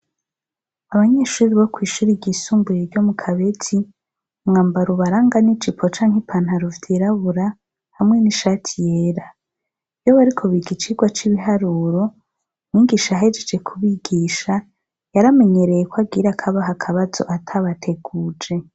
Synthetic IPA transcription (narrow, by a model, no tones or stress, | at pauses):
aβaɲe̞ːʃuːɾiβokwiːʃuɾiɟisuːmbujeɾɟo̞mukʰaβe̞tʰi | mŋaːmbaɾuβaɾaːŋɡanit͡ʃipʰot͡ʃaːŋhipʰan̥haɾuvdeɾaβuɾa | hamŋe̞niʃaːtʰijeːɾa | vjoβaɾikʰo̞βiɡit͡ʃiɡwat͡ʃiβiɦaɾuːɾo̞ | mŋiɡiʃajaɦed͡ʒed͡ʒe̞kʰuβiɡiːʃa | jaɾame̞ɲe̞ɾe̞jekwaɡiɾakʰaβaɦakʰaβazo̞̰ʔatʰaβatʰe̞ɡ̥uːd͡ʒe̞